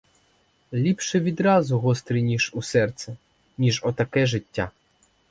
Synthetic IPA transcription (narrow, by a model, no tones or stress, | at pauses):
lʲipʃɛʋʲid̪ɾɑzʊɦɔst̪ɾinʲiʒusɛrt̪sɛ | nʲiʒɔt̪ɐkɛʒɪtʲːa̰